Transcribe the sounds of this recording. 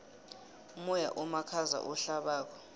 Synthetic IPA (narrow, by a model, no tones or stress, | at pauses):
mɔja̰ʔɔmakʰaza̰ʔɔɬaɓaːkʰɔ̥